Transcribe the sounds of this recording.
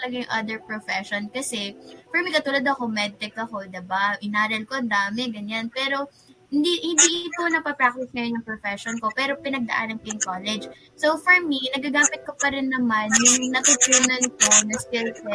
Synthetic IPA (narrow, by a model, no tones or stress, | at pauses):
t̪ɐlɐɡajʊŋʔɐ̰d̪ɛɹpɹofɛʃonkɐsɛfɔɹmikɐt̪uːlad̪ɐko̞mɛd̪̚t̪ɪkɐko̞d̪ɪbaʔɪnaːɾɐlkoɐnd̪aːmɛɡɐɲanpɛːɾo̞ | hɪnd̪ihɪnd̪iʔt̪onɐpɐpɾak̚t̪ɪsnɐjonjʊŋpɹofɛʃonko̞pɛːɾo̞pɪnɐɡ̚d̪ɐ̰ʔa̰ːnɐnkojʊŋkoːlɛd͡ʒ | sowfɔɹminɐɡaɡaːmɪt̪̚kopɐɾɪnːɐmanjʊŋŋnɐt̪ut͡ʃuːnɐnkonɐst̪ɪlsɛ